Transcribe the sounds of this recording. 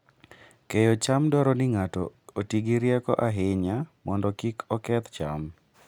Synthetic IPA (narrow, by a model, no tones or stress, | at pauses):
kejot͡ʃamdɔɾɔnɪŋatɔ̰otiɡiɾjɛkɔ̰ʔaɦɪɲamɔndɔkikʰɔkɛt̪t͡ʃa̰m